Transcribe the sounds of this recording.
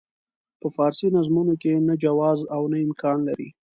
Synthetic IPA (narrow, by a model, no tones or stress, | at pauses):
pəfɑɾsinazmunokenad͡ʒawɑzawnaɪmkɑnlaɾḭ